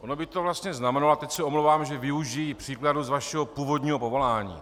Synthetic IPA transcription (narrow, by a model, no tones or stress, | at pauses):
onobɪt̪o̞vlast̪ɲɛznamɛnaloat̪ɛcsɛomlowvaːmʒɛvɪuʒijipr̥iːkladuzvaʃɛɦo̞puːvo̞d̪ɲiːɦo̞povo̞laːɲḭː